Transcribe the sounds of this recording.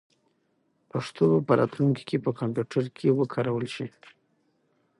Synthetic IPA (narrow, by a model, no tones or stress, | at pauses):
paʂt̪obapəɾɑ̰t̪luŋki̥kepəkampjuʈʰaɾkʰewəkʰɑɾawəlʃi